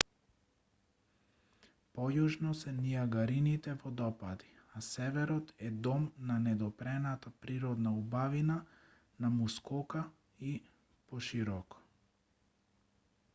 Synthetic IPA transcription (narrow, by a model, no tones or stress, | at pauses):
pɔjuʒnɔsɛnijaɡaɾinit̪ɛvɔd̪ɔpad̪i̥ | asɛvɛɾɔt̪ɛd̪ɔmnanɛd̪ɔpɾɛnat̪apɾiɾɔd̪naubavina | namuskɔka | i | pɔʃiɾɔkɔ̥